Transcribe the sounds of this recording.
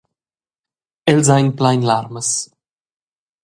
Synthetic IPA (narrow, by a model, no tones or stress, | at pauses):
ɛlzajnplajnlaɾməs